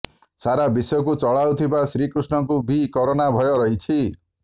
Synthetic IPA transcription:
saɾabisɔjɔkut͡ʃɔɭawt̪ʰibasɾikɾusnɔkubikɔɾɔnabʱɔjoɾɔɦit͡ʃʰi

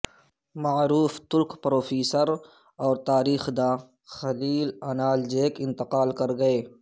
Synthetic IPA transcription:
maːɾuːft̪ʊlkpɾoːfiːsəɾ | ɔːɾt̪aːɾiːxd̪ãː | xɐliːlɐnaːld͡ʒeːkɪ̃nt̪ɪqaːlkɐɾɡɐeː

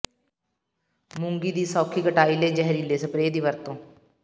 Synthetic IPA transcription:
mʊ̃ŋɡiːd̪iːsɔːkʰiːkəʈaːiːleːd͡ʒɛɦɾiːleːsəpɾeːd̪iːʋəɾt̪õː

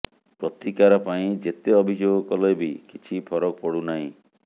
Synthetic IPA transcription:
pɾɔt̪ikaɾɔpaĩd͡ʒet̪eɔbʱid͡ʒoɡɔkɔlɔjbikit͡ʃʰipʰɔɾɔkɔpɔɽunaĩ

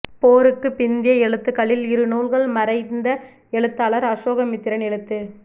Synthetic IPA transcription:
poːɾɯkːɯpɪnd̪ɪjɐɛɭɯt̪ːɯkːɐɭɪlɪɾɯnuːɭɣɐɭmɐɾɐɪnd̪ɐ | ɛɭɯt̪ːaːɭɐɾɐʂoːɣɐmɪt̪ːɪɾɐnɛɭɯt̪ːɯ

